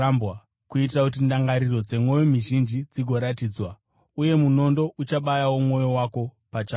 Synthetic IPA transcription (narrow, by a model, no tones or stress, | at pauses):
mba | kuit̬rakut̬indaŋɡaɾiro̞d͡ze̞mwo̞jomiʒind͡ʒid͡ziɡʱo̞ɾatiːd͡zwa | uje̞muno̞ndo̞ʔut͡ʃaɓajawomwo̞jo̞wako̞ | pat͡ʃa